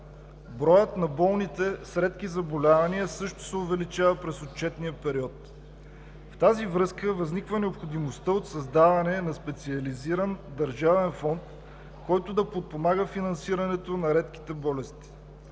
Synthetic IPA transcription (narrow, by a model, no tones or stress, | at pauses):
bɾɔjət̪nɐbɔlˠnit̪ɛsɾɛt̪kizɐbolʲavɐniəsɤʃt̪o̥sɛovɛlit͡ʃavəpɾɛsot̪t͡ʃɛt̪nijəpɛɾiɔt̪ | ft̪azivɾɤskəvɐznikvənɛopxod̪imost̪əot̪sɐzd̪avɐnɛnɐspɛt̪siɐliziɾənd̪ɐɾʒavɛnfɔnt̪ | kɔjt̪ʊd̪ɐpot̪̚pomaɡəfinɐnsiɾɐnɛt̪onɐɾɛt̪ki̥t̪ɛbɔlɛst̪i̥